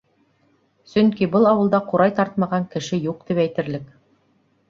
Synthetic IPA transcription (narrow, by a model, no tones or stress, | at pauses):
sɵŋkibɤlˠɑwɤ̆lˠd̪ɑquɾɑjt̪ɑɾt̪̚mɑʁɑŋkɘ̆ʃɘjuq̚t̪ipæjt̪ɘ̆ɾlɘk